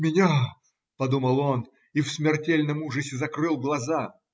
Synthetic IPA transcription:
mʲɪnʲa | pɐd̪uməlˠon | ifsmʲɪrtʲelʲnəmuʐɨsʲɪzɐkrɨlˠɡlˠɐza

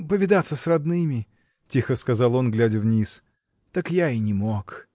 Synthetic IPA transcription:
pəvʲɪd̪at̪sːəsrɐd̪nɨmʲɪ | tʲixəskɐzɑlˠo̞nɡlʲædʲəvnʲis | t̪akjainʲɪmok

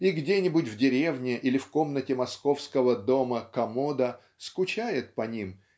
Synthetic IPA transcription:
iɡdʲenʲɪbʊtʲvdʲɪɾʲe̞vnʲɪʔilʲɪfko̞mnətʲɪmɐsko̞fskəvəd̪o̞məkɐmod̪ə | skʊt͡ɕæjɪt̪̚pɐnʲim

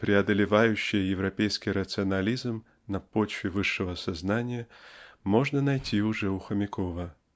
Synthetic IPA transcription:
pɾʲɪɐd̪əlʲɪvajʉɕːɪjəjɪvɾɐpʲejskʲɪjɾət̪sɨɐnɐlʲizm | nɐpo̞t͡ɕvʲɪvɨʂːɨvəsɐznanʲɪjəmo̞ʐnənɐjtʲʰiʊʐɛʊxəmʲɪkʰovə

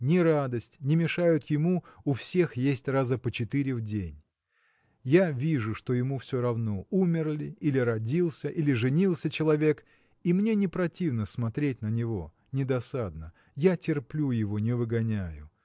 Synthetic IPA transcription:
nʲɪɾad̪əsʲtʲnʲɪmʲɪʂajʊt̪jɪmuʊfsʲe̞xjesʲtʲrazəpət͡ɕɪt̪ɨɾʲɪvdʲenʲ | javʲiʐʊʂt̪o̞jɪmufsʲoɾɐvno̞umʲɪrlʲɪilʲɪɾɐdʲilˠsʲəʔilʲɪʐɨnʲilˠsʲət͡ɕɪlˠɐvʲe̞k | imnʲe̞nʲɪpɾɐtʲivnəsmɐt̪ɾʲet̚ʲnənʲɪvo̞̰ | nʲɪd̪ɐsad̪nə | jatʲɪrplʲujɪvo̞nʲɪvɨɡɐnʲæjʊ

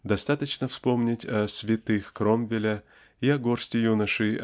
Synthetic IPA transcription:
d̪ɐst̪at̪ət͡ɕnəfspo̞mnʲɪtʲɐsʲvʲɪt̪ɨxkromvʲɪlʲə | iɐɡorsʲtʲɪjunəʂɨj

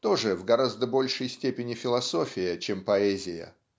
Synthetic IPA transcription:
t̪o̞ʐɨvɡɐɾazd̪əbo̞lʲʂɨjsʲtʲepʲɪnʲɪfʲɪlˠɐso̞fʲɪjət͡ɕempɐɛzʲɪjə̰

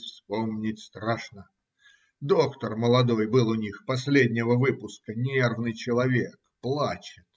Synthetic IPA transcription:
fspomnʲɪtʲst̪ɾaʂnə | d̪o̞kt̪ərməlˠɐd̪o̞jbɨlˠʊnʲixpɐsʲlʲedʲnʲɪvəvɨpʊskənʲe̞rvnɨjt͡ɕɪlˠɐvʲe̞kplˠat͡ɕɪt̪

